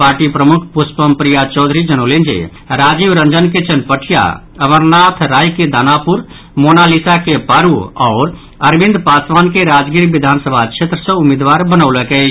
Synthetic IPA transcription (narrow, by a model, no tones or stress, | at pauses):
paːɾʈipɾəmukʰpuspəmpɾijat͡ʃɔːd̪ʱɾid͡ʒənolẽnd͡ʒḛ | ɾaːd͡ʒiʋɾə̃nd͡ʒənket͡ʃənpəʈʰija̰ | əʋəɾnat̪ʰɾaːjked̪aːnapuɾ | monalisakepaɾuɔːɾ | əɾbĩnd̪paːsʋaːnkeɾaːd͡ʒɡiɾʋid̪ʱaːnsəbʱakʃʰet̪ɾəsə̃umed̪ʋaːɾbənəwləkɛ